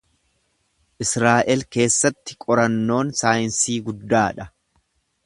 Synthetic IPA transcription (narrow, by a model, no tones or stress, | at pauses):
ʔɪsɾaːʔɛlke̞ːsːɐt̪ːɪ̥kʼɔɾɐnːo̞ːnsaːjɪnsiːɡʊd̪ːaːᶑɐ